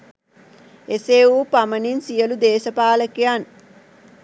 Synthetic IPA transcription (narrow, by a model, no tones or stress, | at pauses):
eseːuːpaməninsijəlud̪eːsəpaːləkejan